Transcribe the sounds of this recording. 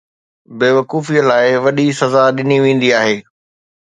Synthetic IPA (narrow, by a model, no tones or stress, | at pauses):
beːʋɐkuːfiəlaːɪʋɐɗisɐzaɗɪniʋẽːn̆d̪iaːɦeː